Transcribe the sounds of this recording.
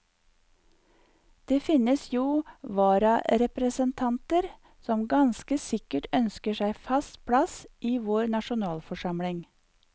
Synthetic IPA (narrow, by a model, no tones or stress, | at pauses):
d̪̥eːfɪnəsjuːʋɑːɾɑɾɛpɾəsənt̪ʰɑnt̪əɾ | sɔmɡɑnskəsɪkəʈœnskəʃæɪfɑst̪pʰɽɑsʔiːʋoːɾnɑʃʊnɑːlfɔʃɑmɽɪŋ